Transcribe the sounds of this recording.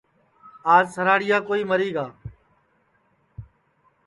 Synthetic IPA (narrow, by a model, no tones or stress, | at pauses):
aːzsəɾaːɽɪjaːkoːiːməɾiːɡaː